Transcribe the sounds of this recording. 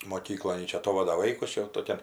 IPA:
moːˈkʲiːklˠoːn ˈjɪ ˈt͡ʃʲɛ ɐˈtoːʋɐdɐ ˈʋɐɪkʊs ˈt͡ʃʲɛ jɛʊ toːˈkʲɛn

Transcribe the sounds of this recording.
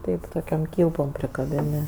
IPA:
ˈtɐɪp toːˈkʲoːm ˈkʲiːlˠpoːm pʲrʲɪkɐˈbʲɪnʲɪ

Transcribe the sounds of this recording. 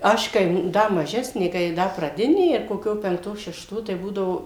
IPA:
ˈɐʃ kɐɪ ˈdɐ mɐˈʒʲæːsʲnʲeː kɐɪ ˈdɐ prɐˈdʲɪnʲeː ɪr koːˈkʲoː pʲɛŋkˈtoː ʃʲɛʃˈtoː tɐɪ ˈbuːdɐʋoː

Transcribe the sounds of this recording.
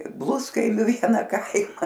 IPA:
ˈblˠʊskɐɪmʲʊ ˈʋʲiɛnɐ ˈkɐɪmɐ

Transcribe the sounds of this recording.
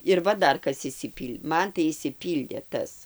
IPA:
ɪr ˈʋɐ ˈdɐr ˈkɐs ɪʃʲsʲɪˈpʲiːlʲ ˈmɐn tɐɪ ɪʃʲsʲɪˈpʲiːlʲdʲeː ˈtɐs

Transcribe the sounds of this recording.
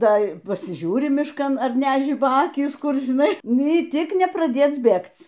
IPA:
ˈtɐɪ ˈpɑːsʲɪˈʒʲuːrʲɪ mʲɪʃˈkɐn ɐr nʲæˈʒʲɪbɐ ˈɑːkʲiːs ˈkʊr ʒʲɪˈnɐɪ ˈnʲiː ˈtʲɪk nʲɛprɐˈdʲeːt͡s ˈbʲeːkt͡s

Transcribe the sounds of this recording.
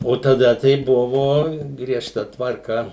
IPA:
oː tɐˈdɐ tɐɪ ˈbʊʋoː ɡrʲiɛʃˈtɐ tʋɐrˈkɐ

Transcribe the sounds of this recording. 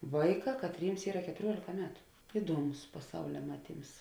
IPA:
ˈʋɐɪˌkɑː kɐtʲˈrʲiːms ˈiːrɐ kʲɛtʊˈrʲuɔlʲeːkɐ ˈmʲæːtʊ ˈɪduɔˌmʊs pɐˈsɐʊlʲɛ ˈmɑːˌtʲiːms

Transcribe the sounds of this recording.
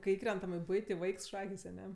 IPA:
kɐɪ ˈiːkrʲɛntɐm ɪ ˈbʊɪtʲɪ ˈʋɐɪks ˈʃɑːkʲeːs ɐˈnʲɛ

